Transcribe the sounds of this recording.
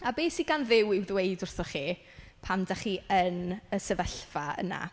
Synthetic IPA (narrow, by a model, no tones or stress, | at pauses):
abeːsiɡanðɪwɪwðwejdʊrθɔχiː | pʰamdaχiːʔənəsəvəɬv̥aə̰na̰